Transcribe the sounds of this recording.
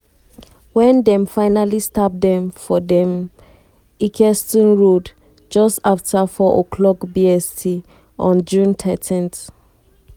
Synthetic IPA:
wɛ̃ndɛ̃mfaɪnalistap̚dɛ̃mfɔdɛ̃m | ikʰɛstĩnɹod | d͡ʒɔstaftafɔʔɔkʰlɔkbiɛstʰi | ɔ̃nd͡ʒũntʰɛtʰĩnt

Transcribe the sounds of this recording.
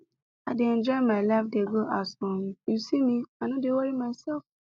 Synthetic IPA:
adeɛ̃nd͡ʒɔmaɪlaɪfdeɡoʔasɔ̃ɾũjusimĩanɔ̃dewɔɾimaɪsɛlf

